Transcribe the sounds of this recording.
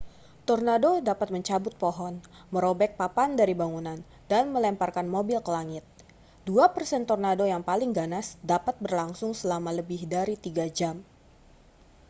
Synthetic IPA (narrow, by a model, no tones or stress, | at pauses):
t̪ɔrnadodapat̪̚məɲt͡ʃabʊt̪̚poɦɔn | məɾobɛk̚papandaɾibaŋunan | danməlɛmparkanmobɪlkəlaŋɪt̪̚ | d̥uapərsɛnt̪ɔrnadojaŋpalɪŋɡanasdapat̪̚bərlaŋsʊŋsəlamaləbɪhdaɾit̪iɡad͡ʒam